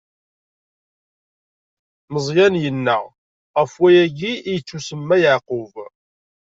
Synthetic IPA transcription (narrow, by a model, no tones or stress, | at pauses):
məzˤjænjənːæ | ʁəfwæjæɡiijət͡sːusəmːæjəʕqʊv